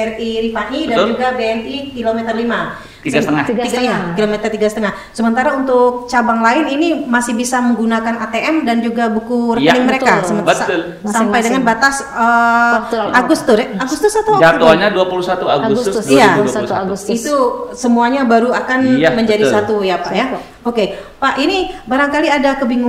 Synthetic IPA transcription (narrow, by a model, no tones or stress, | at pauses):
ɛniɾifaniddand͡ʒuɡabeɛnikilomet̪ərlima | t̪iɡast̪əŋaɡ̪iɡalmakilomɛt̪ərt̪iɡasət̪əŋah | səmənt̪aɾaunt̪ʊk̚t͡ʃabaŋlaɪninimasɪhbisaməŋɡunakanat̪eʔɛmdand͡ʒuɡabukuɾəknɪŋməɾekasəmənbət̪ʊl | ssampajdəŋanbat̪as | ə | aɡust̪ʊsaɡust̪ʊsat̪owd͡ʒat̪oɲaduapulusat̪uaɡusʊdijauit̪usəmuaɲabaɾuakanjməɲd͡ʒadisat̪ujapaja | okepaʔinibaɾaŋkaliadakəbiŋu